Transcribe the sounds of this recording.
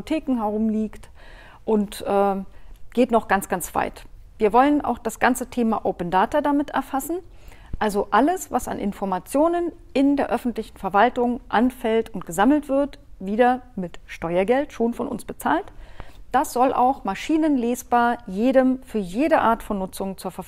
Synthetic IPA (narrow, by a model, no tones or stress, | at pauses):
potʰeːkŋ̩ɦɛʁ̞ʊmliːkt | ʔʊntʔɛːɡ̥eːtnɔχɡ̥ant͡sɡ̥ant͡sv̥a̰ɪt | v̥iːɐvɔlənʔa̰ʊxd̥asɡ̥ant͡sətʰeːma̰ʔoʊpəndaːtɐdamɪtɛ̰ɐfasn̩ | ʔalzoʔaləsvasa̰nʔɪ̰nfɔɐmat͡sjoːnən | ʔɪndeːɐʔœfn̩tlɪçn̩fɛɐvaltʊŋʔanfɛltʊntɡ̥əzaml̩tv̥ɪɐtv̥iːdɐmɪtʃtɔʏɐɡɛltʃoːnfɔnʔʊ̰nsb̥ət͡saːltd̥asz̥ɔlʔa̰ʊxmaʃiːnənleːsb̥aːɐjeːɾəmfyːɐjeːdəʔaːɐtfɔnːʊt͡sʊŋt͡suːɐfɛɐf